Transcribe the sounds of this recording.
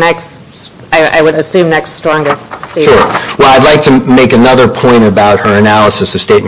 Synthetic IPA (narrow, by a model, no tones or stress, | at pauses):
nɛks | aɪa̰ɪwɨɾɨsʉ̃mnɛkststɹ̥ɔ̃ŋɡɨstsiʃʊɹwɛlˠaɪdˡlaɪk̚tʰɨmeɪkɨnʌðə˞pʰɔ̃ɪ̃ɾ̃ɨbaʊt̚hə˞ɨnælˠəsɨsʌv̥steɪt̚m